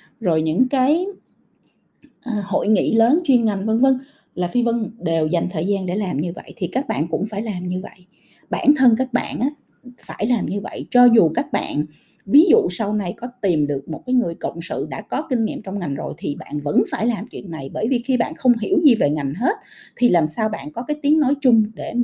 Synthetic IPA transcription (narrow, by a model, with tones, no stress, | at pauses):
zo˨˩jɲɨ̰˧˥ŋkaː˨˦j | ʔːho̰˧˨jŋḭ˧˨ləː˨˦nt͡ɕwi˧nŋa˨˩jŋ̟və˧ŋvə˧ŋ | laː˨˩fi˧və˧ŋɗe˨˩wza˨˩jŋ̟t̪ʰəː˨˩jzaː˧nɗe˧˩laː˨˩mɲɨ˧və̰˧˨jt̪ʰi˨˩kaː˦˥k̚ɓa̰ː˧˨nkʊ̰˧˥ŋ͡mfaː˧˩jlaː˨˩mɲɨ˧və̰˧˨jʔ | ɓaː˧˩nt̪ʰə˧nkaː˦˥k̚ɓa̰ː˧˨nʔaː˨˦ | faː˧˩jlaː˨˩mɲɨ˧və̰˧˨jt͡ɕɔ˧zu˨˩kaː˦˥k̚ɓa̰ː˧˨n | vi˨˦zṵ˧˨sa˧wna˧jkɔ˨˦t̪i˨˩mɗɨ˨˩ək̚mo˨˩t̚kaː˨˦jŋɨ˨˩əjkə̰˧˨wŋ͡msɨ̰˧˨ɗa̰ː˧˥kɔ˨˦kï˧ŋ̟ŋḭ˧˨mt͡ɕɔ˧wŋ͡mŋa˨˩jŋ̟zo˨˩jt̪ʰi˨˩ɓa̰ː˧˨nvə̰˧˥nfaː˧˩jlaː˨˩mt͡ɕwḭ˧˨ənːa˨˩jɓəː˧˩jvi˨˩xi˧ɓa̰ː˧˨nxə˧wŋ͡mɦi˧˩əwzi˨˩ve˨˩ŋa˨˩jŋ̟ɦe˦˥t̚t̪ʰi˨˩laː˨˩msaː˧wɓa̰ː˧˨nkɔ˨˦kaː˨˦jt̪i˨˦əŋnɔ˨˦jt͡ɕʊ˧ŋ͡mɗe˧˩